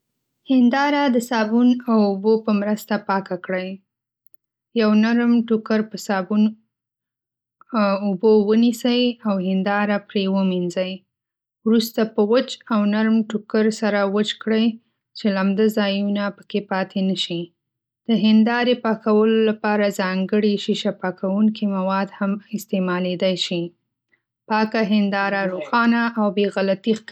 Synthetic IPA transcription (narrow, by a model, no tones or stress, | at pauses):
hɪnd̪ɑɾad̪əsɑbunawʊbopəmɾəst̪apɑkakɽəj | jawnaɾmʈukəɾpəsɑbun | ubowənisəjawhɪnd̪ɑɾapɾewəminzəj | wɾust̪apəwət͡ʃawnaɾmʈʊkəɾsaɾawət͡ʃkɽəj | t͡ʃelamd̪azɑjunapə̥kepɑt̪ʰenəʃi | d̪̥əɦɪnd̪ɑɾepɑkawəlolapɑɾazɑŋɡəɽiʃiʃapɑkawuŋkimawɑd̪hamɪst̪emɑled̪ajʃi | pɑkaɦɪnd̪ɑɾaɾoxɑnaʔawbeɣalat̪ix